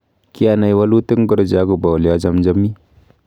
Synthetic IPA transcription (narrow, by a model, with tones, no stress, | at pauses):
ki˦a˦na˨jwa˦lu˦tə˦ŋɡu˦ɾd͡ʒa˦ɡu˨ba˨li˨a˦d͡ʒa˦md͡ʒa˦mi˦